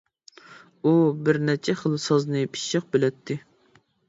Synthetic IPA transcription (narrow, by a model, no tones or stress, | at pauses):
ubɪɾnɛt͡ʃʰɛχəlˠsɑznɨpʰi̥ʃɨq̚bɪlɛt̪ʰːɪ